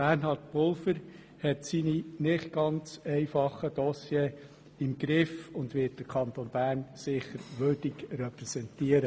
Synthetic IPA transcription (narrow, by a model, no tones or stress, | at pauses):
ærnɦɑɾtpʊlˠfəɾ | hɛtsininɪχt̚ɡ̥ɑnt͡sɛɪfɑχəd̥̪ɔsjeː | ɪmɡɾɪfʊndʋɪt̚d̥əɾkʰɑnt̪oːnb̥æːɾnsɪχəɾʋʏrd̥ɪkrɛpɾɛsɛntiəɾə